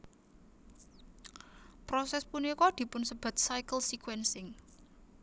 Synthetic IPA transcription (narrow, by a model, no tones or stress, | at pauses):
pɾɔsɛspunikɔd̪̥i̤pʊnsəb̥a̤t̪̚sajkəlsikwɛnsɪŋ